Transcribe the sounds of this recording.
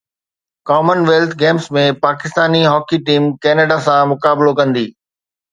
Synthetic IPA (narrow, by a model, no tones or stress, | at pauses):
kɔːmənʋelt̪ʰɡɛːmsmẽpaːkɪst̪aːniɦɔːkiʈiːmkɛːneːɖasãmʊkaːblokɐ̃nd̪iː